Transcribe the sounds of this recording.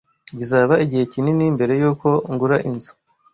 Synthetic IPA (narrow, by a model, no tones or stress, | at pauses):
bizaːβaiɟihe̞cininimbe̞ɾe̞juːko̞ŋɡuɾaʔinzu̥